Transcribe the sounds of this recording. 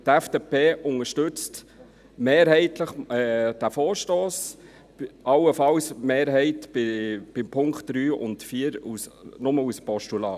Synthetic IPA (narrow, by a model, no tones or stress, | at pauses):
tɛfd̥epeːʔʊŋəʃtɵt͡st | meːɾɦɛɪtləχɛd̥æfoːɾʃtoːs | ɑwəfɑwsmeːɾɦɛɪtbɪb̥ɪmpʰʊŋkt̚ːɾyːʊ̰ntfiːəɾusnʊməuspɔʃtulɑː